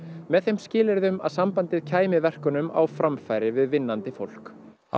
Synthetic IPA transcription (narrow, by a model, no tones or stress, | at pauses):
mɛðθejmscɪːlɪɾðʏma̰ðsampant̪ɪðcʰaːjmɪvɛr̥kʏnʏma̰wfɾamfajɾɪvɪðvɪnːant̪ɪfowl̥k